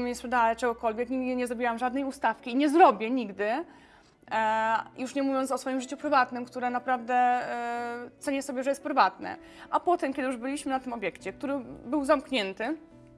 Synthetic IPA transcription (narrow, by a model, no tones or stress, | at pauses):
mɲɛspʂɛd̪aɛt͡ʂɛɡɔkɔlvʲjɛkɲʲiɡd̪ɘɲɛzɾɔbʲiwamʐad̪nɛjust̪afkʲiːɲɛzɾɔbʲjɛɲiɡd̪ɘ | juʂɲɛmuvʲjɔnt̪sɔsfɔjimʐɘt͡ɕupɾɘvat̪nɘmkt̪uɾɛnapɾavd̪ɛ | t̪sɛɲɛsɔbʲɛʐɛjɛst̪̚pɾɘvat̪nɛ̰ | ʔapɔt̪ɛmkʲɛd̪ɘjuʐbɘlʲiɕmɘnat̪ɘmɔbʲjɛkt͡ɕɛk̚t̪uɾɘbɘwzamkɲɛnt̪ɘ